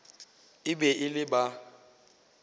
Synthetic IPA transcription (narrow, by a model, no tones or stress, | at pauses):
ɪbɛʔɪlɪba